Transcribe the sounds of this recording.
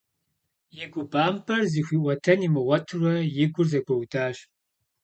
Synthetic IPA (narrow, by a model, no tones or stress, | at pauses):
jɪɡʷʊbaːmpʰɐrziːxʷiːʔʷɐtʰɐnimɨʁɐtʰrɐjɪɡʷʊrzɐɡʷɐwdʰaːɕ